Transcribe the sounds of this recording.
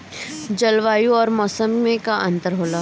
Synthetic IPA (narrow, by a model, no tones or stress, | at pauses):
d͡ʒɐlʋaːjũɔːɾmɔːsəmẽkaʔɐ̃nt̪əɾɦoːlaː